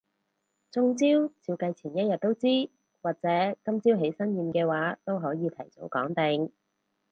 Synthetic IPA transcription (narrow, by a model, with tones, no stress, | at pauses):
t͡sʊ˧ŋt͡siː˥wt͡siː˧wkɐ˧jt͡sʰiː˨˩njɐ˥t̚jɐ˨t̚t̪ːo˥wt͡siː˥ | waː˨k̚t͡sɛː˨˥kɐ˥mt͡siː˥wɦe˨˥jsɐ˥njiː˧mkɛː˧waː˨˥t̪o˥wɦɔː˨˥jiː˨˧t̪ʰɐ˨˩jt͡so˨˥wkɔː˨˥ŋt̪ɪ˨ŋ